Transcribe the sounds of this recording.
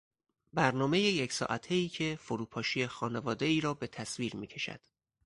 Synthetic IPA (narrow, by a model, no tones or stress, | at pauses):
bæɾnɒːme̞jejecʰsɒ̰ːʔæt̪ʰe̞iːcʰe̞foɾuːpʰɒːʃijexɒːne̞vɒːd̪e̞iːɾɒːbe̞t̪ʰæsviːɾmiːcʰe̞ʃæ̰d̪̥